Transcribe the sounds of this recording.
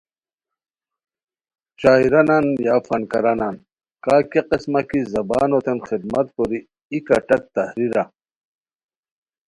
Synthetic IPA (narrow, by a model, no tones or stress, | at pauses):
t͡ɕaːiɾɐnanjaːfɐnkɐɾanan | kaːkeqismɐkizɐba̰ːnot̪enxid̪̚mɐt̪koɾi | ikɐʈɐk̚t̪ɐhɾiɾa